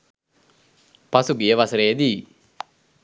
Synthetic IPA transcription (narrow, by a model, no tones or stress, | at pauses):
pɐsuɡijəʋɐsɾeːd̪iː